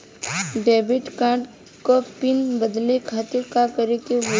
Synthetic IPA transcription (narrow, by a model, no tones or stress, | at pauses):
ɖeːbɪʈkaːɖ | kopɪnbəd̪lekʰaːt̪ɪɾkakəɾekeʋ